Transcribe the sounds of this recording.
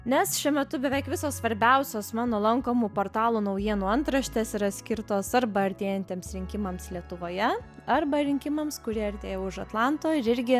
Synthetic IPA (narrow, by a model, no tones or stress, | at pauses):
nʲɛsʃʲuɛmʲɛt̪ʊbʲɛʋʲɛɪkʋʲɪsoːssʋɐɾʲbʲɛʊsʲoːsmɑːnoːlˠɐŋkoːmuːpoːɾt̪ɑːlˠuːnɐʊjiɛnuːɐnt̪ɾɐʃʲt̪ʲeːsɪɾɐsʲkʲɪɾt̪oːsɐɾbɐɐɾʲt̪ʲeːjɛnʲt̪ʲeːmsɾʲɪŋʲkʲɪmɐmslʲiɛt̪ʊʋoːjɛ | ɐrbɐɾʲɪŋʲkʲɪmɐmskʊɾʲiɛɐɾʲt̪ʲeːjoʊʃɐt̪lˠɑnt̪oːɪɾɪɾʲɡʲɪ